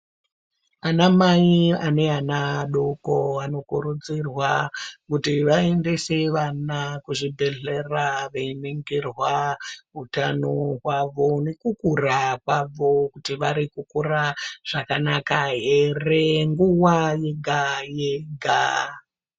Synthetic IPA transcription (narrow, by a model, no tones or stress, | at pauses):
anamaiane̞anaɗokoano̞kuɾud͡zirwakutiʋaendeseʋanakuʐibʱe̞ɮe̞raʋeiniŋɡirwaɦutanoɦwaʋo̞ne̞kukurakwaʋo̞kutiʋaɾikukuraʐ̥akanakaɦe̞re̞ŋɡuwaje̞ɡʱajeɡʱa̰